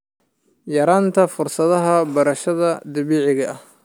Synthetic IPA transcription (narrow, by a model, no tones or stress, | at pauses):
jɐɾaːnt̪ʰɐfʊrsɐðɐɦɐbɐɾɐʃɐðɐd̪ɐβiːʕɪɣɐʔɐh